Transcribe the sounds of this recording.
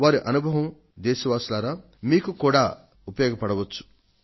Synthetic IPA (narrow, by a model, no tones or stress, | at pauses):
ʋaːɾiʔɐnubʱɐʋɐm | d̪eːʃɐʋaːslaːɾa | miːkukuːɽaː | upɐjoːɡɐpɐɽɐʋɐt͡ʃːu̥